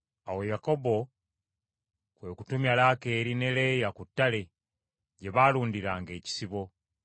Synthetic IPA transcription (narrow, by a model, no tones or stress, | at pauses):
awe̞jako̞bo̞ | kwe̞ːkutumjalaːke̞ːɾine̞le̞ːjakutːale̞ | ɟe̞βaluːndiɾaːŋɡe̞ːci̥siβo̞